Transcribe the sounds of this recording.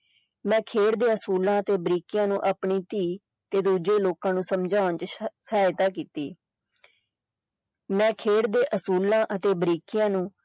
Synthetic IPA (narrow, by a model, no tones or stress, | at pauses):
mɛ̃ːkʰeːɽd̪eːəsuːlãːət̪eːbɾiːkɪjãːnũːʔaːpɳiːt̪iː | t̪eːd̪uːd͡ʒeːloːkãːnũːsəmd͡ʒaːʊnt͡ʃsəaːɪt̪aːkiːt̪iː | mɛ̃ːkʰeːɽd̪eːʔəsuːlãːʔət̪eːbəɾiːkɪjãːnũː